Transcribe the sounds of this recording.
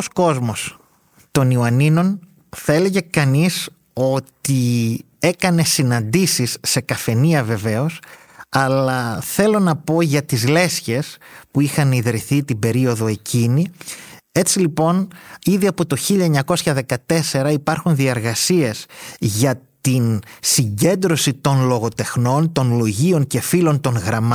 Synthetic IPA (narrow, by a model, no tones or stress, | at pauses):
osko̞zmo̞s | t̪o̞nioɐnino̞n | θɐe̞le̞ʝe̞kɐnis | o̞t̪i | e̞kɐne̞sinɐnd̪isisːe̞kɐfe̞niɐve̞ve̞o̞s | ɐlɐθe̞lo̞nɐpo̞ʝɐt̪izle̞sçe̞spuixɐniðɾiθit̪ibe̞ɾio̞ðo̞e̞cʰini | e̞t͡silipo̞niðiɐpo̞t̪o̞çiʎɐeɲɐko̞sçɐðe̞kɐt̪e̞se̞ɾɐipɐɾxunðie̞ɾɣɐsie̞sʝɐt̪insiɲɟe̞nd̪ɾo̞sit̪o̞nlo̞ɣo̞t̪e̞xno̞nt̪o̞nlo̞ʝio̞ŋce̞filo̞nt̪o̞ŋɣɾɐmɐ